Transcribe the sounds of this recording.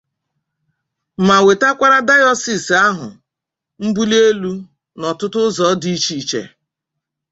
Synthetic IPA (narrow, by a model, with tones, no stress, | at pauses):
ma˨we˨ta˦kʷa˦ɾa˦da˦jɔ˦si˨sa˦ɦʊ̰˨ | m̩˦bu˦le˦lu˦ | nɔ˨tʊ˦tʊ˦zɔ˨˦di˦i˦t͡ʃi˦˨˦t͡ʃḛ˨